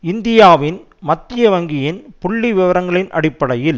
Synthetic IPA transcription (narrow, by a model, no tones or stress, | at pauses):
ɪnd̪ɪjaːʋɪn | mɐt̪ːɪjɐʋɐŋɡɪjɪnpʊɭːiʋɪʋɐɾɐŋɡɐɭɪnʔɐ̰ɽɪpːɐɽɐjɪl